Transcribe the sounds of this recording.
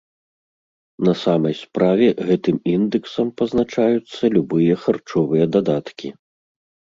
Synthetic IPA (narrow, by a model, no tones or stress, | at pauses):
nɐsamɐjspɾavʲɛɣɛt̪ɨmind̪ɨksɐmpɐznat͡ʂajut̪sːɐlʲubɨjɐxart͡ʂɔvɨjɐd̪ad̪at̪kʲʰi